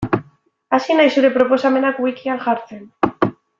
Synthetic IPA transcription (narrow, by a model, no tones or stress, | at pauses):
asinajsuɾepɾoposamenakwikialxaɾθen